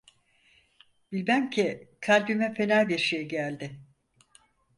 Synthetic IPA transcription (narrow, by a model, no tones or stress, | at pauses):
b̥ilʲmæmcʰikʰalʲbimɛfe̞nalbiɾʃejɟælʲd̪ɪ